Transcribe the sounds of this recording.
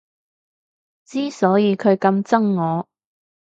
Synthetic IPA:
t͡siː˥sɔː˨˥jiː˨˧kʰɵ˨˧ɥkɐ˧mt͡sɐ˥ŋːɔː˨˧

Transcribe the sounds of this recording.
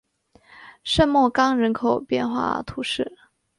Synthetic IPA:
ʂə˥˧nmwɔ˥˩kɑ˥ŋɻə˧˥nkʰo˨˩ʊpjɛ̰˥˧nxwa̰˥˩t̪ʰu˧˥ʂɻ̩˥˩

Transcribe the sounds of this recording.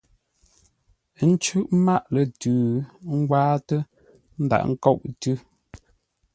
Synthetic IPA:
n̩˦t͡ʃʉ˦ʔma˦˨ʔlə˨tʉː˨ŋ̩˦ɡwaː˦tə˦ | n̩˦da̰˨ʔŋ̩˦kɔ˦˨ʔ̚tʉ˦

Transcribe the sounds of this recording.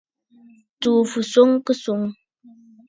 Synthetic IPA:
t͡su˨fu˨so˦ŋkə˦su˦˨ŋ

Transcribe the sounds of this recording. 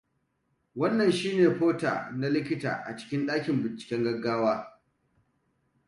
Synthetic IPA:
wɐ˦nːɐ˨nʃiː˦neː˨ɸoː˦ta̰ː˨na˦lɪ˦kʲɪ˦ta̰ː˨ʔa̰˨t͡ʃɪ̥˦kʲɪ˦nɗaː˦kʲɪ˨mbɪ˨nt͡ʃɪ̥˨kʲɛ˦ŋɡɐ˦ɡːaː˦waː˦

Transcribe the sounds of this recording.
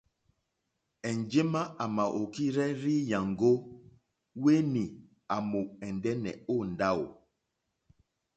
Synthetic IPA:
ɛ˨nd͡ʒe˦ma˦ʔa˨ma˨ʔo˨ki˦ɾɛ˦ɾi˦ja˨ŋɡo˦ | we˦ni˨ | a˨mo˨ɛ˨ndɛ˦nɛ̰˨o˦˨n̩˨da˦˨o˨

